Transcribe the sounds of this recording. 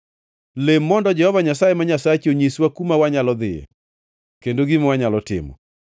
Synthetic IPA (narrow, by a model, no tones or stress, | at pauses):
lemːɔndɔd͡ʒɛhɔvaɲasajemaɲasat͡ʃoɲiswakumawaɲalɔd̪ɪjɛ̰ | kendoɡimwaɲalɔtɪ̰mɔ̰